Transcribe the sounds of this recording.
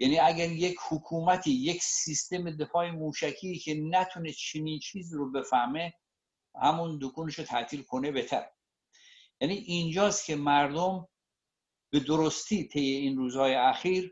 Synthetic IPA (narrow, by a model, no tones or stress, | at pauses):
jæniːæɡæɾjechokʰuːmæt̪ʰiːje̞ksist̪e̞med̪e̞fɒːemuːʃækʰiːcʰenæt̪ʰunet͡ʃʰeniːnt͡ʃʰiːziːɾobe̞fæhme̞ | hæmund̪okʰuːneʃot̪ʰæt̪ʰiːlkʰo̞ne̞bet̪ʰæ̰ɾe | jæniːʔind͡ʒɒːst̪cʰe̞mæɾd̪om | b̥e̞d̪oɾost̪ʰiːt̪ʰe̞jːe̞inruːzhɒːjeæxiːɾ